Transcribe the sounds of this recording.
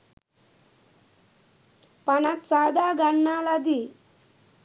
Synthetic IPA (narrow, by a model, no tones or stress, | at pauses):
panat̪t͡sad̪aɡaɳːalad̪i